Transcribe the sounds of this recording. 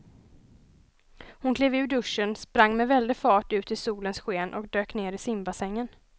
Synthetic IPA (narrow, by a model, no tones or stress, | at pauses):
hʊnkʰleːvʉ̟ːɖɵʂːənspɾaŋːmɛvɛld̪ɪfɑːʈʉ̟ːt̪ɪsuːlənsɧeːnʔɔ̰kd̪øːkneːɾɪsɪmbasɛŋːən